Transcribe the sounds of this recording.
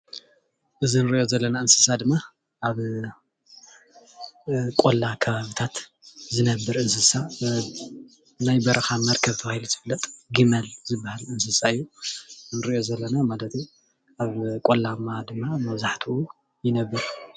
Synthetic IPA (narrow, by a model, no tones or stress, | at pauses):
ʔɨzinɨɾiʔjo̞zɐlːɐnaɨnsɨ̥sad̪ɨmːa | ʔaβ | kʼolːakʰɐβaβit̪ʰat̪zɨnɐbːɨɾʔɨnsɨsa | najbɐɾʔɐxamɐɾkʰɐβt̪ʰɐβahiluzɨfɨlːɐt̪ʼɡimɐlzɨbːahalɨnsɨsaɨjːunɨɾiʔjo̞zɐlːɐnamalɐt̪ʰi | aβkʼolːamad̪ɨmːamɐβzaħt̪ʰuu | jɪnɐbːɨɾ